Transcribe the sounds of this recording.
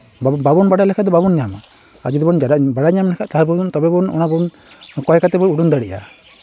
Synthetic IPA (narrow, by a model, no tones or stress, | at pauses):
bbabɔnbaɽalɛkʰad̪ɔbabɔnɲama̰ | a̰d͡ʒid̪ɔbɔnd͡ʒadaʔbaɽaɲamlɛkʰaʔt̪aɦabud̪ɔnt̪ɔbɛbɔnɔ̰nabɔɔn | kɔɦɛkat̪ɛbɔɾuɽund̪aɽiʔa̰